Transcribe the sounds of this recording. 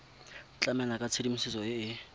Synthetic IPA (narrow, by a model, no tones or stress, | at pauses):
t͡ɬʼamɛnakʼat͡sʰedim̩sɪsɔɪɪ